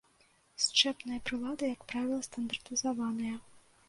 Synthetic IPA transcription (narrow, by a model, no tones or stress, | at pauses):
st͡ʂɛpnɐjɐpɾɨlˠad̪ɨjɐkpɾavʲilˠɐst̪ɐnd̪ɐrt̪ɨzɐvanɐjɐ